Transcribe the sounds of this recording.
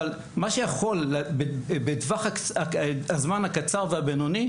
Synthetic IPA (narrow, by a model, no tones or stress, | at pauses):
al | maʃejaχo̞lːbebedvaχakaazmanhakat͡saʁveabenoni